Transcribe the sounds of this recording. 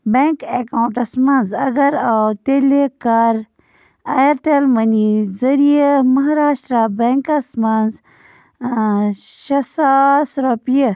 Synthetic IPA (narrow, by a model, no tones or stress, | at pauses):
beŋkekaũɳʈɐsmɐnzɐɡɐɾawt̪elekaːɾ | ɐjɐɾʈelmɐnizɐɾijəmɐɦɾaːʃʈɾaːbeŋkɐsmɐnz | ʃɐsaːsɾɐpjə